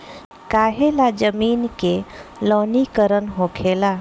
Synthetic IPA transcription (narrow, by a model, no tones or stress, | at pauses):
kaːɦelad͡ʒəmiːnkelɔːnikəɾənɦokʰela